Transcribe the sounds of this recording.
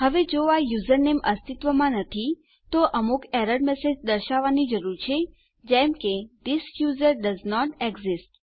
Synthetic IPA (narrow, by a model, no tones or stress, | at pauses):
ɦəʋed͡ʒoajuzəɾnemʔəst̪it̪ʋəmãnət̪ʰi | t̪oʔəmukɛɾəɖmɛsed͡ʒd̪əɾʃaʋːanid͡ʒəɾuɾt͡ʃʰe | d͡ʒɛmked̪isjuzəɾɖəznɔʈeɡzisʈ